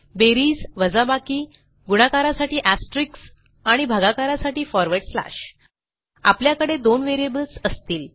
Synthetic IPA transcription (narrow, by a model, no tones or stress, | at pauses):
beɾiːsʋəd͡zabakiː | ɡuɽ̃akaɾasaʈiːʔæsʈɾiks | aɽ̃ibʱaɡakaɾasaʈiːfɔɾʋəɽsla̰ɕ | a̰pljakəɽed̪onʋeɾijebəlsəst̪iːl